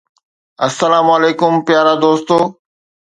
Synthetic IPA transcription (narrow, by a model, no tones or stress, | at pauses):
ɐsːəlaːməleːkʊmpjaːɾad̪oːst̪oː